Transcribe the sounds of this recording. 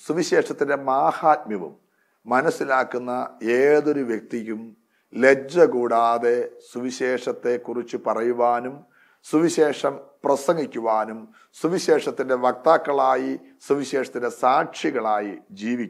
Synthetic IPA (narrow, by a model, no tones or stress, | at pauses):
suʋiɕe̞ːʂɐt̪ːinde̞maːhaːt̪̚mjɐʋṵmː | ɐnɐsːilaːkːunːɐeːðo̞ɾuʋjek̚t̪ijum | le̞d͡ʑɐɣuːɽaːðe̞suʋiɕe̞ːʂɐt̪ːe̞kːurit͡ɕːupɐrɐjuʋaːnum | suʋiɕe̞ːʂɐmprɐsɐŋɡikʲːuʋaːnum | suʋiɕe̞ːʂɐt̪ːinde̞ʋɐk̚t̪aːkːɐɭaːji | suʋiɕe̞ːʂɐt̪ːinde̞saːʈʂiɣɐɭaːjid͡ʑiːʋikʲː